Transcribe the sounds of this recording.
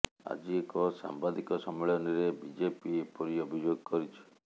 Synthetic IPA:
a̰d͡ʒiekɔsa̰mbad̪ikɔsɔmeɭɔniɾebid͡ʒepiepɔɾiɔbʱid͡ʒoɡɔkɔɾit͡ʃʰi̥

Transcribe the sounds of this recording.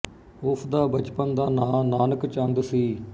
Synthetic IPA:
ʊsʰd̪aːbət͡ʃpənd̪aːnãːnaːnəkt͡ʃãnd̪siː

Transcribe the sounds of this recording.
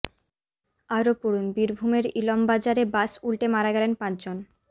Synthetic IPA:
aɾopuɾunbiɾbʱumeɾilɔmbad͡ʑaɾebasulʈemaɾaɡɛlenpãt͡ɕd͡ʑon

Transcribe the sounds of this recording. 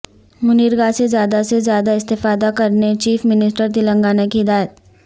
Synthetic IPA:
mʊniːɾɡasezjaːd̪asezjaːd̪aɪst̪ɪfaːd̪akɐɾnet͡ʃiːfmɪnɪsʈəɾt̪̬ɪlə̃ŋɡaːnakiɪd̪aːjət̪

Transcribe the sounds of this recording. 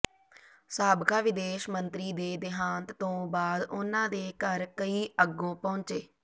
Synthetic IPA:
saːbkaːʋɪd̪eːʃmənt̪ɾiːd̪eːd̪ɪɦãːnt̪t̪õːbaːd̪ʊnãːd̪eːkəɾkəiːəɡːõːpɔ̃ːɲt͡ʃeː

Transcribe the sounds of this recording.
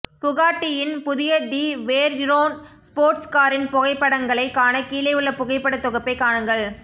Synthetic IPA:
pʊɣaːʈːɪjɪnpʊðɪjɐd̪iʋeːɾɪɾoːnspoːɾʈskaːɾɪnpʊɣɐɪpːɐɽɐŋɡɐɭɐɪkːaːnɐkiːlɐɪɯɭːɐpʊɣɐɪpːɐɽɐt̪ːɔɣɐpːɐɪkːaːɳɯŋɡɐɭ

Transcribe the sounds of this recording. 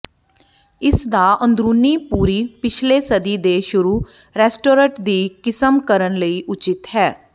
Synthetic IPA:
ɪsd̪aːʔənd̪ɾuːniːpuːɾiːpɪt͡ʃʰleːsəd̪iːd̪eːʃʊɾuː | ɾɛːsʈoːɾə̃ʈd̪iːkɪsəmkəɾənləiːʔʊt͡ʃɪt̪ɦɛː

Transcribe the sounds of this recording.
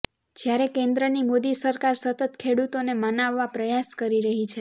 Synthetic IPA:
d͡ʒjaɾekẽnd̪ɾənimod̪isəɾkaɾsət̪ət̪kʰeɽut̪onemənaʋːapɾəjaskəɾiɾəɦit͡ʃʰe

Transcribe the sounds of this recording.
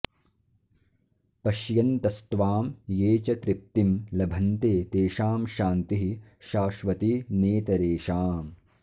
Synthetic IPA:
pɐʃjɐnt̪ɐst̪ʋaːmjeːt͡ʃɐt̪ɾip̚t̪imlɐbʱɐnt̪eːt̪eːʃaːmʃaːnt̪iɦiʃaːʃʋɐt̪ineːt̪ɐɾeːʃaːm

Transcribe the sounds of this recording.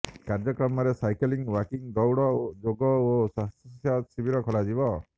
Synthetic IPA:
kaɾd͡ʒɔkɾɔmɔɾesajkɔliŋwakiŋd̪ɔwɽɔd͡ʒoɡɔosast̪sasibiɾɔkʰɔlad͡ʒibɔ

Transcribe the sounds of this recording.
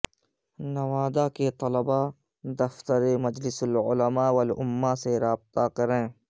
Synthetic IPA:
nɐʋaːd̪aket̪ɐləba | d̪ɐft̪əɾemɐd͡ʒlɪsəlʊ̰ləmaːwɐlʊmːaseɾaːb̚t̪akɐɾẽː

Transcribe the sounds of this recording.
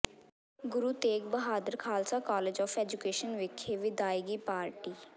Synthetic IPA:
ɡʊɾuːt̪eːkbəɦaːd̪əɾkʰaːlsaːkɔːleːd͡ʒɔːfɛːd͡ʒukeːʃənʋɪkʰːeːʋɪd̪aːiɡiːpaːɾʈiː

